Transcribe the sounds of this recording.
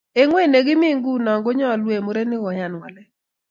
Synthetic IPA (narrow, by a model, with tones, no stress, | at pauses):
e˨ŋwe˦˨ne˨ɡɪ˦mi˦ŋɡu˦nɔ˨ŋɡo˦ɲɔ˦˨lwe˨mo˨˦ɾe˦nɪ˦wɔ˨ja˨n˨wa̰˨lɛ˦